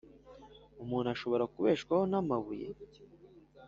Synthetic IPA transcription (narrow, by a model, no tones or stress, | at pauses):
umuːnaʃo̞βo̞ɾakuβeːʃkwahonamaβujḛ